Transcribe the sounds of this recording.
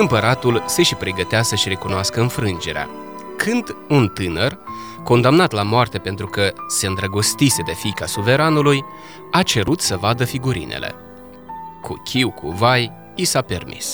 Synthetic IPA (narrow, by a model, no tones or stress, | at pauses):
ɨmpəɾat̪ulse̞ʃipɾeɡət̪easəʃiɾe̞kunoaskəɨnfɾɨnd͡ʒe̞ɾea̰ | kʰɨnd̪unt̪ɨnər | ko̞nd̪amnat̪lamoart̪e̞pe̞nt̪ɾukəse̞ɨnd̪ɾəɡo̞st̪ise̞d̪e̞fikasuve̞ɾanuluj | at͡ʃe̞ɾut̪səvad̪əfiɡuɾḭnʔḛle̞̰ | kṵkʲʰiwkʰṵvaj | isape̞rmʔḭs